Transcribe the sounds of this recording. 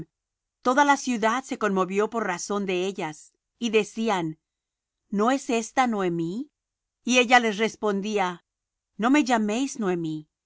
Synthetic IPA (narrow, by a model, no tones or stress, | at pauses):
t̪o̞ðalasjuðaðse̞ko̞nmo̞βjo̞po̞ɾraso̞nd̪e̞eʝas | iðe̞sianː | o̞e̞se̞st̪anoemi | ie̞ʝale̞sre̞spo̞nd̪ia | no̞me̞ʝame̞jsnwemi